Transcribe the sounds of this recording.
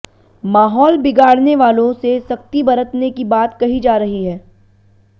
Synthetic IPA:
maːɦɔːlbɪɡaːɽneʋaːlõsesɐk̚t̪ibɐɾət̪nekibaːt̪kɐɦid͡ʒaːɾɐɦiɦɛː

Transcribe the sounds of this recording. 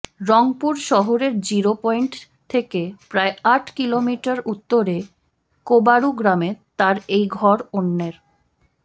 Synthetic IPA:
ɾɔŋpuɾʃɔɦoɾeɾd͡ʑiɾopɔiɳʈ | t̪ʰekepɾaeaʈʰkilomiʈaɾut̪ːoɾe | kobaɾuɡɾamet̪aɾejɡʱɔɾonːeɾ

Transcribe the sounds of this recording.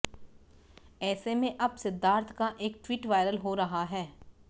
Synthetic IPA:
ɛːsemẽʔɐbsɪd̪ʱːaːɾt̪ʰkaʔeːk̚ʈwiːʈʋaːɪjɾəlɦoɾɐɦaɦɛː

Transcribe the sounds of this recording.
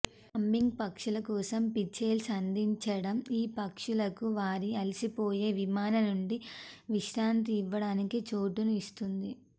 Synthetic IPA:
ɐmːiŋɡ̚pɐkʂulɐkɔːsɐmpit͡ʃeːlsɐnd̪ʱiɲt͡ʃɐɽɐmiːpɐkʂulɐkuʋaːɾiɐlisipoːje̞ːʋimaːnɐnuɳɖiʋiʃɾaːnt̪̬iːʋːɐɽaːnikit͡ʃoːʈunuist̪und̪i

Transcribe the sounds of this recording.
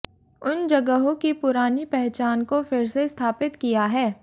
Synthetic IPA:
ʊnd͡ʒɐɡəɦõkipʊɾaːnipɛɦt͡ʃaːnkofɪɾsest̪ʰaːpɪt̪kijaɦɛː

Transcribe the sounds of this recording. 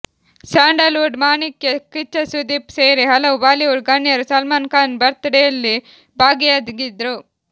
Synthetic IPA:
saːɳɖɐluːɖmaːnikjekit͡ʃːɐsud̪iːpseːɾiɦɐlɐwubaːliuːɽɡɐnːjɐɾusɐlmaːnkaːnbɐɾt̪ɐɽɛjɐlːi | bʱaːɡijad̪ɡid̪ɾu

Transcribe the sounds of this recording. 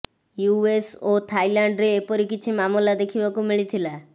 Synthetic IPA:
juesot̪ʰajlaɳɖɾeːpɔɾikit͡ʃʰimamulad̪ekʰibakumiɭit̪ʰila

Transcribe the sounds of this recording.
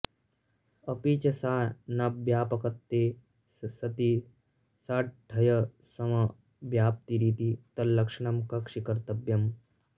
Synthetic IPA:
ɐpit͡ʃɐsaːnɐbjaːpɐkɐt̪ːeː | sɐt̪i | saːʈ̚ʈʰɐjɐ | sɐmɐ | bjaːp̚t̪iɾiːt̪it̪ɐlːɐkʂɐɳɐmkɐkʂikɐɾt̪ɐbjɐm

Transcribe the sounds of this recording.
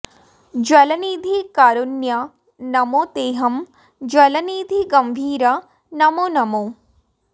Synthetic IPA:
d͡ʒwɐlɐniːd̪ʱikaːɾunjɐ | nɐmot̪eːɦɐm | d͡ʒwɐlɐniːd̪ʱiɡɐmbʱiːɾɐ | nɐmonɐmu

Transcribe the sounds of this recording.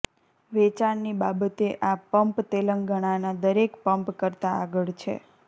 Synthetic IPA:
ʋɛt͡ʃaɳnibabət̪eʔapəmpt̪eləŋɡəɽ̃anad̪əɾekpəmpkəɾt̪aːɡəɭt͡ʃʰḛ

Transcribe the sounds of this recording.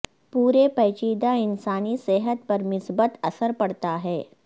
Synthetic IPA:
puːɾepɐːt͡ʃiːd̪aɪnsaːnisɛːɦət̪̚pɐɾmɪsbət̪ɐsəɾpɐɽt̪aɦɛː

